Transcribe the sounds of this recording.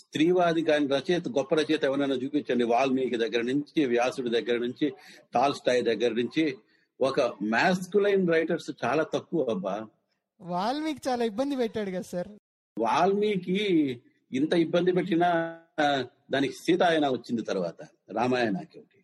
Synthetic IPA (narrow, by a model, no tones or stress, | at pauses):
st̪ɾiːʋaːd̪ikaːniɾɐt͡ʃeːt̪ɡɔpːɐɾɐt͡ʃɛːt̪ɛʋɐnɐnɐt͡ʃuːpiɲt͡ʃːɐɳɖiʋaːlmiːkid̪ɐɡːɐɾɐnuɲt͡ʃiʋjaːsuɽid̪ɐɡːɐɾɐnuɲt͡ʃiʈaːlsʈaːjld̪ɐɡːɐɾɐnuɲt͡ʃi | ɔkɐmaːskulɐjnɾɐjʈɐɾst͡ʃaːlaːt̪ɐkːuɐbːaː | ʋaːɭmiːki̥t͡ʃaːlaːibːɐnd̪ipɛʈːaːɽuɡasaɾ | ʋaːlmiːki | int̪ɐibːɐnd̪ip̬eʈːinaː | d̪aːniki̥siːt̪aːjɐnaːʋɐt͡ʃːind̪it̪ɐɾuʋaːt̪ɐ | ɾaːmaːjana̰ːkeʋɐʈi̥